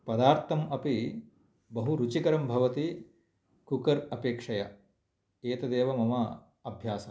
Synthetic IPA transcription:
pɐd̪aːɾt̪ʰɐmɐpi | bɐɦuɾut͡ʃikɐɾɐmbʱɐʋɐt̪i | kukɐɾɐpeːkʂɐjɐ̰ | eːt̪ɐd̪eːʋɐmɐmɐ | ɐbʱjaːsɐ

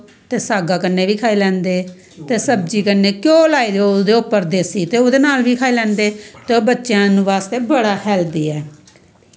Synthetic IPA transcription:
t̪eːsaːɡaːkənːeːʋiːkʰaːiːlɛ̃ːnd̪eː | t̪eːsəb̚d͡ʒiːkənːeːkjõːlaːiːd̪eod̪eːʊpːəɾd̪eːsiːt̪eːoːd̪eːnaːlʋiːkʰaːiːlɛ̃ːnd̪eːt̪eːoːbətːʃjãːnũːʋaːst̪eːbəɽaːhɛːld̪iːɛː

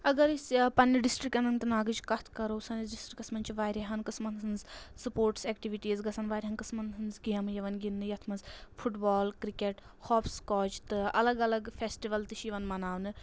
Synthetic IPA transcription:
ɐɡɐɾisʲpɐnːɐɖisʈɾik̚ɐnɐnt̪ɨnaːɡɨd͡ʒkɐt̪ʰkɐɾousɐniɖisʈɾikɐsmɐnt͡ʃiʋaːɾʲɐɦɐnkɨsmɐnɨnzsɨpoːɾʈseːkʈiʋiʈiːzɡɐsʰɐnʋaːɾʲɦɐnkɨsmɐnɦɨnzɡijɐmɨjɐʋɐnɡinːɨjɐt̪ʰmɐnzfʰuʈbɔːlkɾikʲeʈ | hɔːpskɔːt͡ʃt̪ɨɐlɐɡɐlɐɡfʰesʈiʋɐlt̪ɨʃiʋɐnmɐnaːʋnɨ

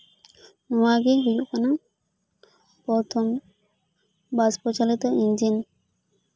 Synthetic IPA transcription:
nɔwaɡeɦujuʔkana | pɔt̪ʰɔm | baspɔt͡ʃalit̪ɔʔind͡ʒin

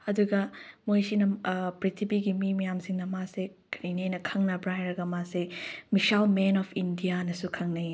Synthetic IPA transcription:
ɐduɡɐmojsinɐpɾitʰibiɡimimɐjamsiŋnɐmase | kinejnɐkʰɐŋnɐbɾajɾɐɡɐmasemisalmenɔpʰindijanɐsukʰɐŋnɐ

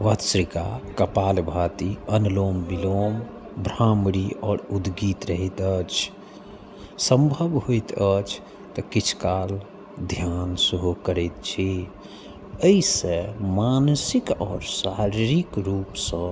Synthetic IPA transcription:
ʋət̪sɾikakəpaːlbʱaːt̪iənloːmbiloːm | bʱɾamɽiɔːɾud̪ɡiːt̪ɾəɦit̪ət͡ʃʰ | sə̃mbʱəbɦojt̪ət͡ʃʰ | t̪əkit͡ʃʰkaːl | d̪ʱjansuɦukəɾɛt̪̚t͡ʃʰi | əisẽmansikɔːɾsaɾiɾikɾuːpsə̃

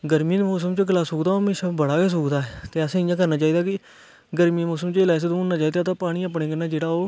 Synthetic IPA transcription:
ɡəɾmiːmoːsəmt͡ʃəɡəlaːsoːɡd̪aːoɦmeːʃaːbəɽaːkeːs̬uːkd̪aːt̪eːəsẽːɪjãːkəɾnaːt͡ʃaːiːd̪aːkɪ | ɡəɾmiːmoːsəmt͡ʃɪlaːs̬ed̪õːoːnnaːt͡ʃaːiːd̪aːt̪ãːpaːɽ̃iːəːpɳẽːkənaːd͡ʒeːɽaːoː

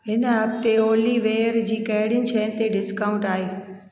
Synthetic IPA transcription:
ɦɪnɦɐb̚t̪eoːliʋeːjəɾd͡ʑiːkɐɦɪɽjɪnɪ̆t͡ɕʰɛɦɪnɪ̆t̪eɖɪskaːʊ̃ɳʈaːɦeː

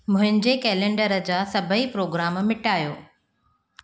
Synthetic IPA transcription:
mʊ̃ɦɪ̃ɲd͡ʑekɛːlẽːɳɖəɾəd͡ʑaːsɐbʱəipɾoːɡɾaːmmɪʈaːjo̰ː

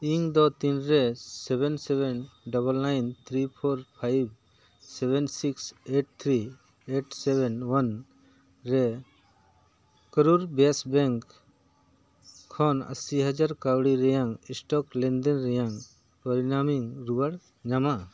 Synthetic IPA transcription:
iŋd̪ɔt̪inɾɛsɛbɛnsɛbɛnɖɔbəlnajnt̪ʰɾipʰɔɾpʰajb̚ | sɛbʱɛnsikseʈ̚t̪ʰɾi | eʈsɛbɛnwan | ɾɛ | kəɾuɾbasbɛŋk | ɔna̰siɦad͡ʒaɾkawɽiɾɛjaŋisʈɔklɛnd̪ɛnɾɛjaŋ | pɔɾinamiŋɾubaɽ | ɲama

